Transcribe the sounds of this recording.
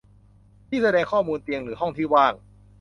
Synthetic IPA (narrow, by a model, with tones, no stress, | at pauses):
t̪ʰiː˥˩sa˧dɛː˧ŋkʰɔː˥˩muː˧nt̪i˧əŋɾɯː˩˦ɦɔ˥˩ŋt̪ʰiː˥˩waː˥˩ŋ